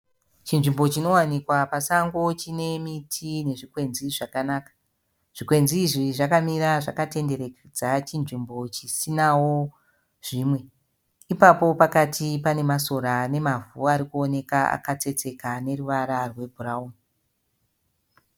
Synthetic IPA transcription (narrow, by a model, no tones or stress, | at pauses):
t͡ʃinʐimbo̞t͡ʃino̞wanikwapasaŋɡo̞t͡ʃine̞mitʰine̞ʐikwe̞nziʐakanaːkḁ | ʐ̥ikwe̞nziːʐiʐakamiɾaʐakate̞nde̞ɾe̞ked͡zat͡ʃinʐimbo̞t͡ʃisinawo̞ | ʐ̥iːmwe̞ | ipapo̞pakatʰipane̞maso̞ɾane̞mavuaɾikuo̞ne̞kaa̰kat͡se̞t͡se̞kane̞ruʋaɾarwe̞bʱurauːmi